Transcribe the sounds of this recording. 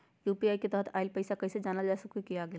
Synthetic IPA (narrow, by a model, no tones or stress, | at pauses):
juːpiaːiket̪ɛɦt̪ʰaːɪlpɐɪsakɐɪsed͡ʒaːnad͡ʒaːsɐkuikijaɡɐja